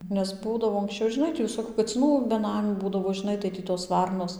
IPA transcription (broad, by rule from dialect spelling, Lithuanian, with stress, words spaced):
nʲɛs ˈbuːdɐʋoː ɐŋksʲˈt͡ʃʲɛʊ ʒʲɪˈnɐɪ tʲiː ʋʲɪˈsoːkʲʊ kɐt͡sʲɪˈnuː bʲɛˈnɑːmʲuː ˈbuːdɐʋoː ʒʲɪˈnɐɪ tɐɪ ˈtʲiː toːs ˈʋɐrnoːs